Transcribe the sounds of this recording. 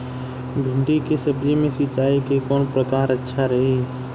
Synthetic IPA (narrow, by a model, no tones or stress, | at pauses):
bʱɪ̃ɳɖikesəbd͡ʒimẽsɪt͡ʃːaːikekɔːnpɾəkaːɾətːʃʰaɾɐɦe